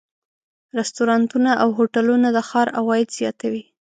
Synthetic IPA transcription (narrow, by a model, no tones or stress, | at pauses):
ɾɪst̪oɾɑnt̪unaʔawɦoʈalunad̪əxɑɾawɑjɪd̪z̥jɑt̪awi